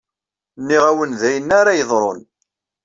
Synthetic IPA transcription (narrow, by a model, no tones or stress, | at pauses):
nːiʁæwənðæjənːaɾajəðˤɾˤo̰n